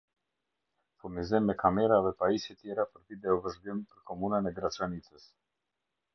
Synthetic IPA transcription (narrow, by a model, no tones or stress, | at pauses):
fuɾnizimːɛkʰamɛɾavɛpaisit̪jɛɾapəɾvid̪ɛɔvəʒɡimpəɾkɔmunənɛɡɾat͡sɾanit͡səs